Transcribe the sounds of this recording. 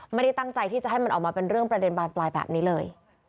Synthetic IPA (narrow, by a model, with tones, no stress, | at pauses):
ma˥˩jda˥˩jt̪a˥˩ŋt͡ɕa˧jt̪iː˥˩a˨˩ʔɦa˥˩jma˧nʔ̚ːmaː˧pe˧nɾɯ˥˩əŋpɾa˧de˧nbaː˧nplaː˧jbɛ̰ː˨˩p̚niː˦˥lɤː˧j